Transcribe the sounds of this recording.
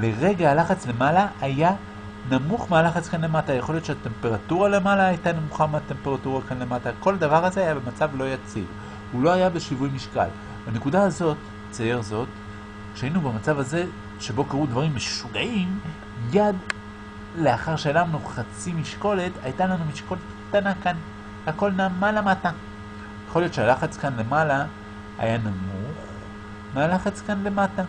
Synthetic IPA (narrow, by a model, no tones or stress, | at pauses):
leʁe̞ɡaːlaχat͡sle̞malaʔːja | namuχmealaχat͡skanle̞mataːjeχo̞ljotʃeate̞mpe̞ʁatuʁale̞malaːjtanamuχameate̞mpe̞ʁatuʁakanle̞matako̞lad̪avaʁhazeajabemat͡savlo̞jat͡sḭʁ | hulo̞ajabe̞ʃivujmiʃka̰l | hane̞kudaːzo̞t | t͡sajeʁzo̞t | ʃeainubemat͡savaze̞ | ʃe̞bo̞kaʁud̪vaʁimːeʃuɡaʔim | jad̪ | le̞aχaʁʃelamnuχat͡simiʃko̞le̞t̪ajtalanumiʃko̞letkt̪anakan | hako̞lnamalamata | jeχo̞ljott͡ʃealaχat͡skanle̞mala | a̰janamuχ | mealaχat͡skanle̞mata